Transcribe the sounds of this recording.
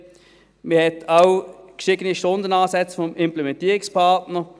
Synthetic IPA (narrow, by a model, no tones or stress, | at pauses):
məɐhɛtʰawkʃɪɡ̥əniʃtondənaːsɛt͡sfɔmɪmplɛmɛntiːʁɪkspʰɑʁtnə